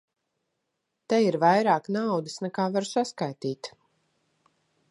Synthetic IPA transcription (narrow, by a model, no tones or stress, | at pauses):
t̪ɛiɾvajɾaːknawd̪isnɛkaːvaɾsaskajt̪iːt̪